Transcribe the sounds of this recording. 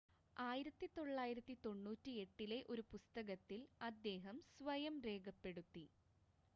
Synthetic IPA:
aːjiɾɐt̪ːit̪o̞ɭːaːjiɾɐt̪ːit̪o̞ɳːuːtːie̞ʈːile̞ʔo̞ɾupust̪ɐɣɐt̪ːilɐd̪ːe̞ːɦɐmsʋɐjɐmre̞ːɡɐpːe̞ɽut̪ːi

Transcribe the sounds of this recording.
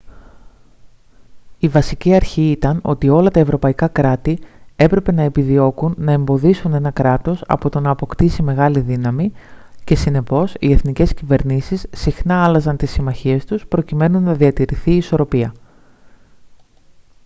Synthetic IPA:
ivɐsiciɐɾçiit̪ɐno̞̰t̪io̞lɐt̪ɐe̞vɾo̞pɐikɐkɾɐt̪ie̞pɾe̞pe̞nɐe̞piðio̞kunːɐe̞mbo̞ðisune̞nɐkɾɐt̪o̞sɐ̰po̞t̪o̞nɐːpo̞kt̪isime̞ɣɐliðinɐmice̞sine̞po̞sie̞θnice̞scive̞ɾnisisːixnɐɐlɐzɐnt̪isːimɐçie̞st̪uspɾo̞cime̞nunːɐðiɐt̪iɾiθiːso̞ɾo̞piɐ

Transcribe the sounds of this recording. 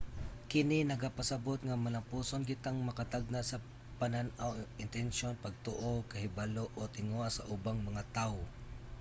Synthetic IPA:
kɪninɐɡapɐsɐbot̪̚ŋamɐnɐpuːsonkɪt̪aŋmɐkat̪aɡ̚nasɐ | pɐnanawɪnt̪ɛnʃonpɐɡ̚t̪oʔokɐhɪbaloʔot̪ɪŋoʔasaʔʊbaŋmɐŋat̪aʊ

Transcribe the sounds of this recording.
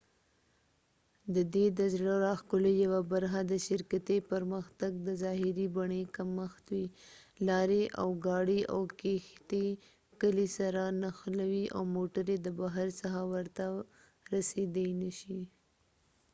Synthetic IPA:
d̪əd̪ed̪əzɽaɾaxkʊlejawabaɾxad̪əʃɪɾkat̪epəɾməxt̪aɡ̚d̪əzɑɦɪɾibaɳekaməxt̪wi | lɑɾeʔa̰wɡɑɽiʔa̰wkext̪e | kəlisaɾanaxlawiʔa̰wmoʈaɾed̪əbaɦaɾsəxawəɾt̪a | ɾased̪əjnəʃi

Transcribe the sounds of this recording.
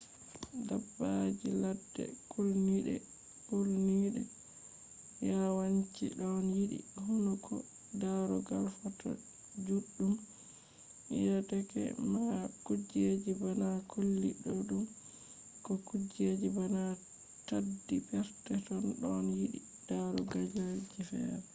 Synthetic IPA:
dabːad͡ʒiladːɛ̰kʰulniɗɛ̰ | bulniɗɛ̰ | jawaɲt͡ʃḭɗɔnjiɗḭhunukʰɔ̰ | daɾɔɡalfatɔ̰ | d͡ʒuɗːum | ḭjatɛkɛ̰makud͡ʒed͡ʒibanakʰolːiɗɔɗum | kɔkud͡ʒed͡ʒibana | tadːipɛɾtɛtɔnɗɔnjiɗḭ | d̥aɾɔɡad͡ʒad͡ʒifɛ̰ɾɛ

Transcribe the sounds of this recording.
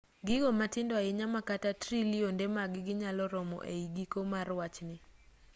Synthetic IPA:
ɡɪɡomatɪndɔaɪɲamakatatɾiliondemaɡɪɡɪɲalɔɾɔmɔ̰ʔḛiɡikomarwat͡ʃnɪ

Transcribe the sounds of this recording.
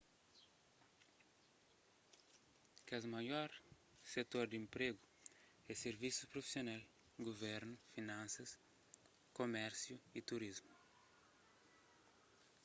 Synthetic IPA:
kazmajɔɾ | set̪oɾd̪ĩmpɾeɡʊ | ɛseɾvisupɾofi̥sjonal | ɡovɛɾnʊfinãnsɐs | komɛɾsjuit̪uɾizmu

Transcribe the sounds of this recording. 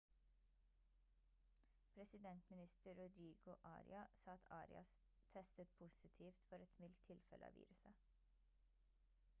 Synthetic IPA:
pʰɾɛsɪd̪ɛnt̪mɪnɪst̪əɹʊd̪ɾiːɡʊʔɑ̰ːɾɪ̰ɑsɑːɑt̪ʰɑːɾɪ̰ɑ̰s | t̪ʰɛst̪ət̪̚pʰʊsɪt̪ʰiːft̪fɔɾɛt̪mɪlt̪ʰɪlfɛ̰lʔəɑ̰ːʋḭːɾʉsə

